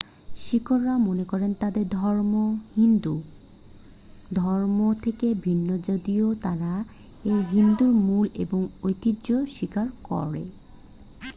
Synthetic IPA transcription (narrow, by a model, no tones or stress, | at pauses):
ʃikʰoɾːamonekɔɾent̪ad̪eɾd̪ʱɔɾmohind̪u | d̪ʱɔɾmot̪ʰekebʱinːod͡ʑod̪iot̪aɾa | eɦind̪uɾmuleboŋojt̪idʑoʃikaɾkɔ̰ɾḛ